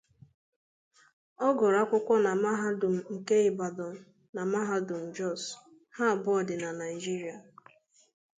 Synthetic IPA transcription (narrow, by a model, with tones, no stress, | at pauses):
ɔ˦ɡɔ˨ɾa˦kʷʊ˦kʷɔ˦na˨ma˦ɦa˦dʊ˨m̩˨ŋ̩˨ke˦ɪ˦ba˨dɔ˨m̩˨ | na˨ma˦ɦa˦dʊ˨m̩˨d͡ʒɔ˦˨s | ha˦˨bɔ˨dɪ˨na˨na˨i˨d͡ʒi˦ɾi˨a˨